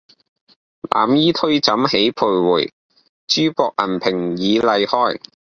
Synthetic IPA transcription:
lʔa̰ː˨˧mjiː˥t̪ʰɵ˥ɥt͡sɐ˨˥mhe˨˥jpʰuː˨˩jwuː˨˩j | t͡ʃyː˥pɔː˧k̚ʔɐ̰˨˩npʰɪ˨˩ŋjiː˨˧lɐ˨˧jhɔː˥j

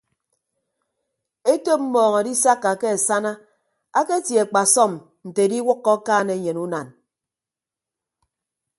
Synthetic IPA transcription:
e˦to˦m̩˦mɔː˨ŋɔ˨di˦sa˦kːa˨ke˦e˨sa˦na˦ | a˦ke˦tje˨k͡pa˨sɔ˦m | n̩˨te˨di˦wʊ˦kːɔ˦kaː˦ne˦˨ɲe˨nu˦na˨n

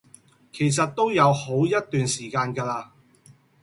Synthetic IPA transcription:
kʰe˨˩js̬ɐ˨t̚t̪ːo˥wjɐ˨˧who˨˥wjɐ˥t̚t̪yː˨nsiː˨˩kaː˧nɡɐː˧laː˧

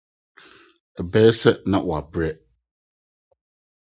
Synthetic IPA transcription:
ɛ˨bɛː˦sɛ˦nã̰˨wɔ˨a˨bɾɛ˦

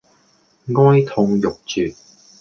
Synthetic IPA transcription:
ŋɔː˥jt̪ʰʊ˧ŋjʊ˨k̚t͡ʃyː˨˩t̚

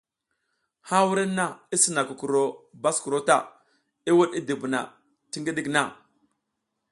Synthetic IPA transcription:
ha˦wu˦ɾi˦na˦i˦si˦na˨ku˨ku˨ɾo˨ba˦sku˨ɾo˦ta˦˨ | i˦wu˦ɗi˦di˨bu˨na̰˨ | ti˦ŋɡi˦ɗi˦kna˦˨

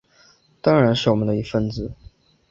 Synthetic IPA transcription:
t̪ɑ˥ŋɻa˧˥nʂɻ̩˥˩wɔ˨˩mə˦nd̪ə˧i˧˥fə˥˧nt͡sɹ̩˨˩˦

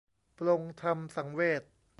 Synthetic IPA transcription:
plo˧ŋt̪ʰa˧msa˩˦ŋweː˥˩t̪̚

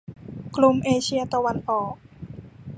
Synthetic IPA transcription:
kʰlu˧˩mʔeː˧t͡ɕʰi˧˥ɐt̪a˧wa˧nʔɔː˨˩k̚

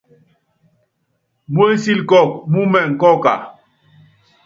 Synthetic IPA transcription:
mo˦si˦lkɔ˦˨k̚mu˦mɛ˨ŋ̩˨kɔ˦ka̰˨

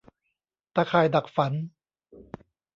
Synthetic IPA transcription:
t̪aː˧kʰaː˨˩jda˨˩k̚fa˨˩˦n

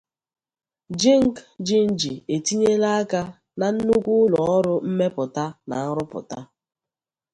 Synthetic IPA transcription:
d͡ʒi˦ŋ̩˦kd͡ʒi˦n̩˦d͡ʒi˨e˨ti˦ɲe˦la˦a˦ka˦ | na˨n̩˦nu˦kʷu˦lɔ˨ɔ˦ɾʊ˦m̩˦me˦pʊ˨ta˦na̰˨n̩˦ɾʊ˦pʊ̰˨ta˦

